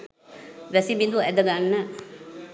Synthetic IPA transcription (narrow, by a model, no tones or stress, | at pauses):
ʋæsibid̪uæd̪əɡanːə